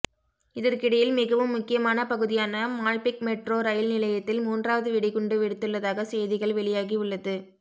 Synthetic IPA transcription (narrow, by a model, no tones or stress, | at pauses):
ɪðɐɾkɪɽɐjɪlmɪɣɐʋɯmːʊkːɪjɐmaːnɐpɐɣɯðɪjaːnɐmaːlpɪkmɛʈroːɾɐjɪlnɪlɐjɐt̪ːɪlmuːndraːʋɐðɯʋɪɽɪɣʊɳɖɯʋɪɽɯt̪ːɯɭːɐðaːɣɐsɛjðɪɣɐɭʋɛɭɪjaːɣiʊɭːɐðɯ